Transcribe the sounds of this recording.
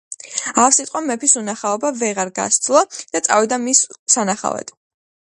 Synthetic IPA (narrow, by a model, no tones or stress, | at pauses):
afsit̪ʼqʼɔmɛpʰisunaχaɔbavɛʁaɾɡa̰st̪ʼlˠɔd̪̥at̪sʼa̰vid̪amissanaχa̰vɛ̰d̪